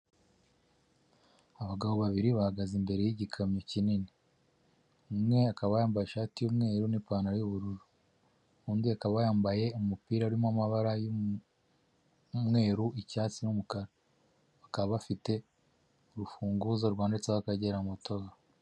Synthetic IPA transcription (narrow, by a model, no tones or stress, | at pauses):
aβaɡaβo̞βaβiɾiβahaɡazimbe̞ɾe̞jiɟikʰamɲocinini | umŋe̞akaβajaːmbajeʃaːtijumŋe̞ːɾunipaːnaɾjuβuɾuɾu | uːndiakaβajaːmbaje̞umupiːɾaɾwimamaβaɾaju | mŋe̞ːɾuʔicaːt͡sinumukaɾa | βakaββafite̞ | uɾufuːŋɡuzoɾɡwaːndet͡seβakaɟeɾamuto̞ɡa